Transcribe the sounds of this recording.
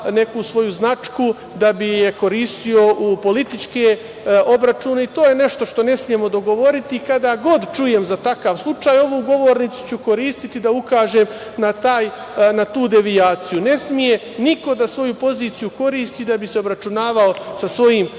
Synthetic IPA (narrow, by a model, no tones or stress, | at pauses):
ne̞kusʋo̞juznat͡ʃku | d̪abijeko̞ɾiːst̪io̞ʔupo̞lit̪it͡ʃke | obɾat͡ʃuːne̞it̪o̞ːje̞ne̞ʃt̪o̞ʃt̪o̞ne̞smije̞mo̞d̪o̞ɡo̞ʋo̞ɾit̪ikad̪aːɡo̞d̪t͡ʃuje̞mzat̪akaʋslˠut͡ʃaːjo̞ʋuɡo̞ʋoɾnit̪su̥t͡ɕukoɾiːst̪it̪id̪aukaːʒem | nat̪aːj | nat̪uːd̪e̞ʋiaːt̪sijune̞smije̞ | niko̞d̪asʋo̞jupo̞ziːt̪sijuko̞ɾiːst̪iːd̪abise̞obɾat͡ʃunaːʋaosasʋo̞jiːm